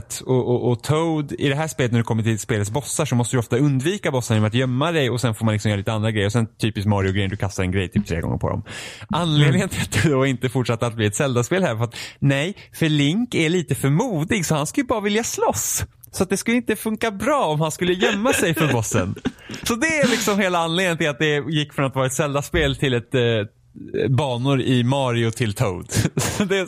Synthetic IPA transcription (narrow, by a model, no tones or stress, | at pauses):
t̪ɔʔɔʔɔt̪ʰoʊd̪ɪd̪ɛɦæːʂpeːlət̪næɖɵkʰɔmːəʈʰɪlspeːlət̪sbɔsːaʂɔmɔst̪əd̪ɔft̪aɵnd̪viːkabɔsːənjɔmɾat̪jœmːad̪ɛjɔsɛnfoːɾmanlɪksɔmjœːɾliːt̪əand̪ɾaɡɾɛjəɾɔsɛnt̪ʰyːpɪskmɑɾɪʊɡɾɛjəd̪ɵkʰast̪aɾɛnɡɾɛjt̪ʰyːpt̪ʰɾḛːɡɔ̰ŋːə̰ɾpʰɔ̰d̪ɔ̰mʔanːleːd̪ɡənʰat̪̚d̪ɛd̪ɔɪnt̪əfʊʈʂat̪ːəat̪̚bliːɛt̪sɛld̪aspeːlhæːɾfœɾat̪nɛjfœɭɪŋkæɭiːt̪əfœɾmuːd̪ɪɡsɔhanskɵljəbɑːɾavɪljaslɔs | sɔat̪̚d̪ɛskɵləɪnt̪əfɵŋkabɾɑːɔmhanskɵlːəjœmːasɛjfœɾbɔsːə̰nsɔd̪ɛːlɪksɔmheːlaanleːd̪ənt̪ʰɪlat̪̚d̪ɛjɪkːfɾɔnat̪vɑːɾaɛt̪sɛld̪aspeːlt̪ʰɪlɛt̪ | bɑːnʊɾɪmɑːɾɪʊt̪ʰɪlt̪ʰoʊd̪d̪ɛ